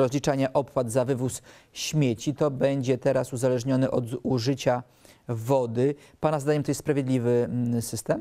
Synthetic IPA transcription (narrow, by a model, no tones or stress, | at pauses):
ɾɔzʲlʲit͡ʂaɲɛʔɔpwad̪zavɘvus | ɕmʲjet͡ɕit̪ɔbɛɲd͡ʑɛt̪ɛɾasuzalɛʐɲɔnɘʔɔd̪uʐɘt͡ɕa | vɔd̪ɘ | panazd̪aɲɛmt̪ɔjɛsspɾavʲjed̪lʲivɘsɘst̪ɛm